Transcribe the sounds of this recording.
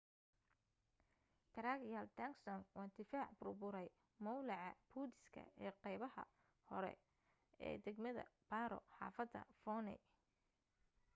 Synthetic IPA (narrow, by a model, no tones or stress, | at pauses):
t̪ʰɐɾaːɡjalt̪ʰaksɔnwɑːd̪ɪfaːʕbʊrbʊɾɛj | mɔwlɑʕɑbʰuːd̪ɪskʰɐ̰ɛːqɛjβɐhɐ̰ | hɔɾɛ̰ | ɛ̰ːd̪ɛɡmɐðɐ̰b̥aːɾɔ̰ħɑːfɐd̪ɐ̰fɔːnɛ̰